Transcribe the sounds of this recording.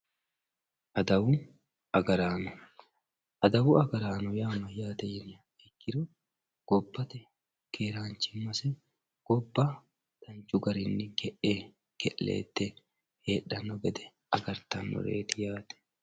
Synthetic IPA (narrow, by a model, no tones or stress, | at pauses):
ʔɐd̪ɐwʊ | ɐɡɐɾaːnɔ | ʔɐd̪ɐwʊɐɡɐɾaːnɔjaːmɐjaːt̪ɛjɛnɐ | ɛkːɪɾɔ | ɡ̥ɔbːɐt̪ɛ | keːɾaːnt͡ʃːɪmɐsɛ | ɡ̥ɔbːɐ | d̪̥ɐnt͡ʃːʊɡɐɾɪnːɪɡɛʔe | ɡ̥ɛʔḛːt̪ːɛ | heːᶑːɐnːɔɡɛd̪ɛ | ɐɡɐɾt̪ɐnːɔ̰ɾḛːt̪ɪjaːt̪ɛ̥